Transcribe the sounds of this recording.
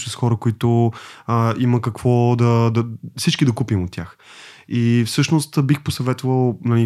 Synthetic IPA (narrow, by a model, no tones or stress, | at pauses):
t͡ʃɛsxɔɾəkoit̪ʊəiməkɐkv̥ɔd̪ɐd̪ɐfsit͡ʃkid̪ɐkupimʊt̪ʲːjax | ifsɤʃnost̪bixposɐvɛt̪ovəlˠnɐli